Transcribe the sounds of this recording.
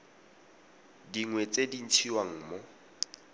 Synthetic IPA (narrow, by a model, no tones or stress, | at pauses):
diŋwet͡sedin̩t͡sʰiwaŋ̩ːmɔ